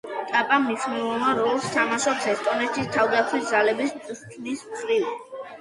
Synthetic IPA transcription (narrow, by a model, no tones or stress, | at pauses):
t̪ʼapʼamisnivɔmaɾɔlˠst̪ʰamaʃɔpsʰɛst̪ʼɔnɛt̪ʃist̪ʰavd̪at̪sʰwisd̪zalɛbist̪ʼɾt̪ʰnisχɾilˠ